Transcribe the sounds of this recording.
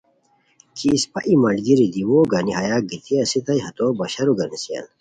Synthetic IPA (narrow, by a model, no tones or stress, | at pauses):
kʰispɐʔimɐɳɖɡiɾid̪iwoːɡɐniɦɐjaɡit̪ʰiɐsit̪ɐiɦɐt̪obɐɕɐɾuɡɐnisija̰n